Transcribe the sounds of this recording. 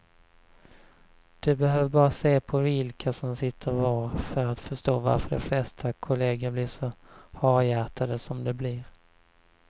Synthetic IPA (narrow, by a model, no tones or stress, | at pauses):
d̪̥ɵbɛhøːvəɾbɑːɾaseːpʰɔvɪlkʰasɔmsɪt̪ʰːəɾvɑːɾfœɾat̪fœʂt̪oːva̰ɾfəɖɛ̰flɛst̪ʰakʰʊleːɡəɾblɪʂɔhɑːɾjæːt̪ʰad̪əsɔmd̪ɛbliɾ